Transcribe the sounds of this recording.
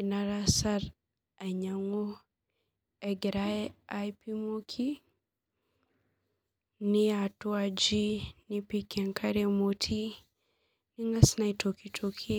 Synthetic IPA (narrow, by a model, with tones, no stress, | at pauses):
ina˨ɾa˦sa˦ɾ | a˨ɲa˨ŋo˦ | ɛ˨ɡɾaajpi˦mo˦kʰi˦ | ni˦a˨tu˦ad͡ʒi˦ni˦pikɛ˨ŋkʰa˦ɾe˦mo˨tʰi˦ | ni˦ŋa˦sna˨ito˨kitʰokʰi˦